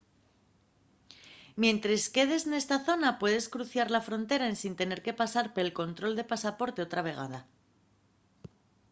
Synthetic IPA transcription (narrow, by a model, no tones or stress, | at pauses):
mje̞nt̪ɾeske̞ð̞e̞sne̞st̪aθo̞napwe̞ðe̞skɾuθjaɾlafɾo̞nt̪e̞ɾaensint̪e̞ne̞ɾke̞pasaɾpoelko̞nt̪ɾo̞ld̪e̞pasapo̞ɾt̪e̞o̞t̪ɾaβ̞e̞ɣ̞a̰ð̞a